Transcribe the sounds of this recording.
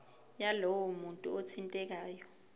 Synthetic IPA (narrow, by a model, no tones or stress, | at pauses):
jalɔwɔmuntʼuot͡sʰintʼɛk̬aːjɔ